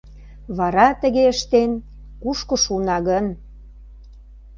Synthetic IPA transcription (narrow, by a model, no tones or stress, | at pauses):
βɑɾɑt̪ə̆ɣeəʃt̪en | kuʃkŏʃunɑɣən